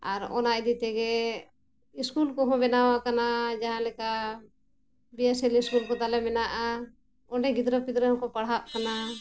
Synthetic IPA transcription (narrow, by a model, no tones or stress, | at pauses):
aɾɔ̰naɛd̪it̪ɛɡɛ | iskulkɔɦɔ̃bɛnawakanad͡ʒaɦãlɛka | bijasɛliskulkɔt̪alɛmɛnaʔa | ɔnɖɛɡid̪ɾɔpid̪ɾəɦɔ̃kɔpaɽɦaʔkana